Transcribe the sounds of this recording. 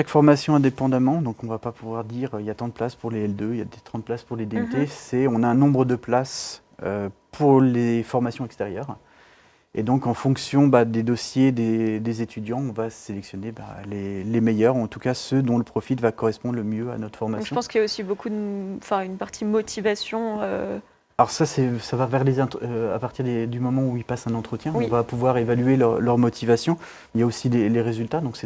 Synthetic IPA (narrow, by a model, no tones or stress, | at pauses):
ʃakfɔʁmasjɔ̃ɛ̃d̪epɑ̃d̪amɑ̃d̪ɔ̃kɔ̃vapapʰuvwaʁd̪iʁøiljat̪ɑ̃d̪əplaspuʁleɛld̪øja̰d̪et̪ʰχɑ̃d̪̚plaspuʁled̪eyt̪esɛɔ̃naɛ̃nɔ̃bʁəd̪əplas | øpʰuʁlefɔʁmasjɔ̃ɛkst̪ɛʁjœːʁ | ḛd̪ɔ̃kɑ̃fɔ̃ksjɔ̃bad̪ed̪ɔsjed̪ed̪ezet̪ʰyd̪jɑ̃ɔ̃vaselɛksjɔneba̰lelemejœʁuɑ̃t̪ukasəd̪ɔ̃ləpχɔfit̪vakɔʁɛspɔ̃d̪ʁləmjøa̰nɔt̪χfɔʁmaspɑ̃skiljaosibokud̪ɑ̃fɛ̃ynpaʁt̪ʰimɔt̪ʰivasjɔ̃ø | alɔʁsasɛsavavɛʁlezɛ̃t̪øa̰paʁt̪iʁd̪ed̪ymɔmɑ̃uilpasɛ̃nɑ̃t̪χət̪jɛ̃ɔ̃vapuvwaʁevalyelœʁlœʁmɔt̪ʰivasjɔ̃ | iljaosileleʁezylt̪ad̪ɔ̃ksɛ